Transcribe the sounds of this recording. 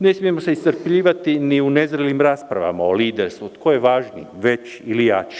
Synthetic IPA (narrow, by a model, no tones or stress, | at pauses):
ne̞smijemoseist̪əɾpʎiːʋat̪iniunezɾelimɾaːspɾaʋa̰maoliːd̪eɾst̪ʋut̪kʰojeʋaːʒnḭ | ʋe̞t͡ʃ | ilijat͡ʃi̥